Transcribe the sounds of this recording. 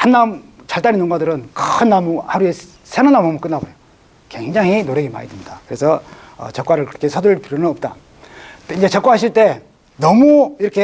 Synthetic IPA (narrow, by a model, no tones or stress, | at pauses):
hanːamt͡ɕaɭt͈aɾinɯnɡwadɯɾɯnkɯɯnːamuhaɾue̞ | sʰeɾonamamuk͈ɯnːabojo | kwe̞ŋd͡ʑaŋinoɾeɡema̰ɾidɯmɲidakɯɾe̞sʰʌ | ʌ̰t͡ɕʌk͈waɾɯɭkɯɾʌkʰesʰʌduɭpiuɾjonɯnʌp̚t͈a̰ | iɲd͡ʑe̞t͡ɕʌkwaɦaɕ̬ʰiɭt͈e̞ | nʌmuiɾʌkʰe̞